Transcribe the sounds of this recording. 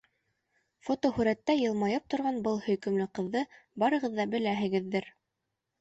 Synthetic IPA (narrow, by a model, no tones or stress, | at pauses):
fot̪ohʉɾæt̪ːæjɤ̆lˠmɑjɤp̚t̪ŏɾʁɑnbɤlˠhɵ̆jkɵ̆mlɘqɤ̆ðːɤbɑɾɤ̆ʁɤ̆ðːɑbɘ̆læɦɘ̆ɡɘ̆ðːɘɾ